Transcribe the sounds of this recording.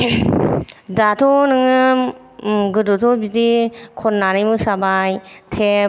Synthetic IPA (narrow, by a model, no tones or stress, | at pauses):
datʰɔnɯŋɯm | ɡɯdotʰɔbidikʰɔnːanɯjmɯsabajtʰe